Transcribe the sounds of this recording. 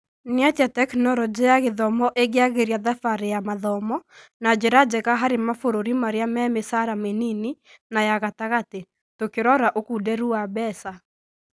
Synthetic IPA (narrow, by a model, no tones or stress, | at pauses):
nɪatatɛknɔɾɔd͡ʒijaɣeðɔmɔʔeɡɪaɣeɾiaðafaɾejamaðɔmɔnad͡ʒeɾad͡ʒɛkaɦaɾemafoɾoɾimaɾeamɛmesaɾamenini | najaɣataɣate | tokeɾɔɾaʔokudɛɾuabɛsa